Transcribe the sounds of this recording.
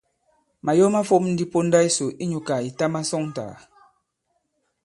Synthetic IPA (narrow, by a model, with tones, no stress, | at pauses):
ma˨jɔ˦ma˦fo˦p̚n̩˦di˦po˦n̩˦da˦i˦so˨ʔi˦ɲu˨ka˨i˨ta˦ma˦sɔ˦ŋn˨ta̰ː˨